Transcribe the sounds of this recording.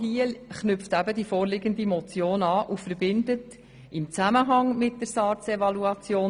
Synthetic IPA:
ɦiːəlχnʏftæbədifoːɾlɪɡəndimɔt͡sjoːnɑːʔufəɾbɪndət | ɪmt͡sæməɦɑŋmɪt̚d̥əɾsɑːt͡sɛvɑluɑt͡sjoː

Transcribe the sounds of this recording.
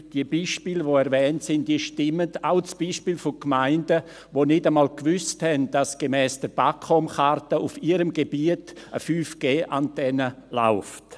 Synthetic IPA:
d̥iəbiːʃpiːləʋoɛɾvɛːntsɪnd̥iːəʃtɪmədaʊt͡sb̥iːʃpiːlfoʊkmaɪndə | ʋonɪdəmaːlkvʏsthɛnd̥asɡ̥emɛːsd̥əɾb̥akʰɔmχartəʔufiːɾəmɡebiətʔəfyːfɡ̥eːʔantɛnəla̰ʊft

